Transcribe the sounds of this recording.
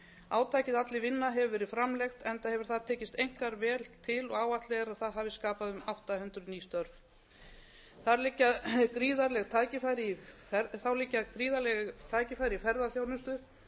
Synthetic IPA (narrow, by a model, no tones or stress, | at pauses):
aːwt̪ʰaːjcɪðat̪lɪvɪnːaɦɛvʏvɛːɾɪ̥fɾamlɛxt̪ɛnt̪ahɛvʏɾ̥θaðt̪ʰɛːcɪst̪ejŋ̥kaɾvɛːlt̪ʰɪlɔɣaːwaht̪lɛɣaɾaðθaðɦaːvɪskaːpaðʏmawht̪ahʏnt̪ɾʏniːst̪œɾv | θaɾlɪcːakɾiːðaɾlɛɣt̪ʰaːjcɪfajɾɪi | ɛθawliːcːakɾiːðalɛɣt̪ʰaːjcɪfajɾɪifɛɾðaθjownʏst̪ʏ